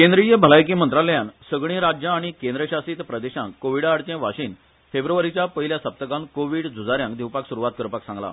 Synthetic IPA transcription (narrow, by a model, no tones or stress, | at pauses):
kẽnd̪ɾijəbʱəlajk̬iːmənt̪ɾaljãnsəɡɭ̃ĩɾad͡ʑjə̃ːɽ̃ikend̪ɾəɕasiːt̪pɾəd̪eɕã̰ŋkoʋiɽaːɽt̪ẽʋaɕiːn | febɾuʋaɾit͡ɕjapəɦiljasəp̚t̪əkãmkoʋiːɽd͡zʱud͡zaɾjãŋkd̪ʱiwpaksuɾuʋat̪̚kəɾpaksãŋɡla̰